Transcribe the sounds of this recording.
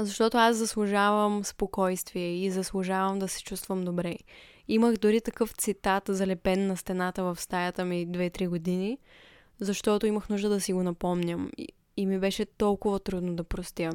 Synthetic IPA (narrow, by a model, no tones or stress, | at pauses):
zɐʃt̪ɔt̪oaszɐslˠʊʒavəmspokɔjst̪viɛizɐslˠʊʒavəmd̪ɐsɛ̥t͡ʃust̪vəmd̪obɾɛ | iməxd̪ʊɾit̪ɐkɤft̪sit̪at̪zɐlɛpɛnːɐst̪ɛnat̪əvɐfst̪ajət̪əmid̪vɛt̪ɾiɡod̪ini | zɐʃt̪ɔt̪oiməxnuʒd̪əd̪ɐsiɡonɐpɔmnʲəm | imibɛʃɛt̪ɔlˠkʊvət̪ɾud̪nod̪ɐpɾost̪ʲjə